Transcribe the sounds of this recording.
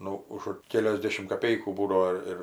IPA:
ˈnʊ ʊʃ ˈkʲæːlʲoːzʲˌdʲeːʃʲɪmt kɐˌpʲɛɪkuː ˈbuːdɐʋoː ˈɪr

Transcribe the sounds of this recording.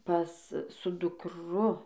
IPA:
ˈpɐs sʊ dʊkˈrʊ

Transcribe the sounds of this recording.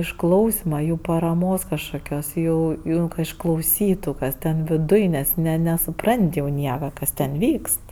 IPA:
ɪʃˈklˠɐʊsʲɪmɐ ˈjuː pɐrɐˈmoːs kɐʃkoːˈkʲoːs ˈjuː ˈjuː kɐ ɪʃklˠɐʊˈsʲiːtʊ ˈkɐs tʲɛn ʋʲɪˈdʊj ˈnʲɛs nʲɛ nʲɛsʊˈprɐnʲtʲ jɛʊ ˈnʲiɛkɐ ˈkɐs tʲɛn ˈʋʲiːkst

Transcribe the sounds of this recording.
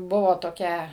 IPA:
ˈbʊʋoː toːˈkʲɛ

